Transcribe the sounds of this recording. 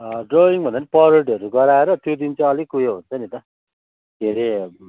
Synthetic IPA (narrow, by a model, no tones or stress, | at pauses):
ʌɖroiŋbʱʌnd̪anipʌɾeʈiʌɾuɡʌɾaeɾʌt̪jod̪int͡sʰʌ̃ʌlikujoɦunt͡sʰʌnit̪ʌ | ɡʱeɾe